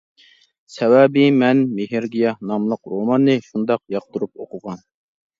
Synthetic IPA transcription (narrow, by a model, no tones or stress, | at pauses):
sɛwæbimɛnmeɦiɾɡʲijɑnɑmlˠəqɾomɑnːɨʃund̪ɑqjɑq̚t̪uɾupoqʊʁɑn